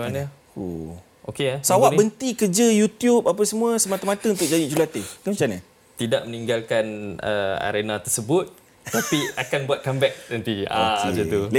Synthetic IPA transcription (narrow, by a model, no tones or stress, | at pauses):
anə | ṵ | o̰keasawaʔbənt̪ikərd͡ʒəjut̪jupap̬asəmũəsəmat̪amat̪əunt̪ʊk̚d͡ʒadid͡ʒulat̪ət̪umət͡ʃanə | t̪idaʔ̚məniŋɡalkanəa̰ɾenat̪ərsəbʊt̪̚ | t̪apiakanbuat̪̚kambɛk̚t̪ənt̪ia̰esit̪ul